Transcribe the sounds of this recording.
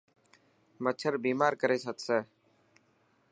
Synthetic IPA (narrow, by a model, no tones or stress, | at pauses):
mət͡ʃʰəɾbiːmaːɾkəɾeːsət̪seː